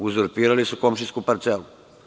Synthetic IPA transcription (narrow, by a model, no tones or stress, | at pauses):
uzɔɾpiːɾalisukomʃiskupaɾt̪selu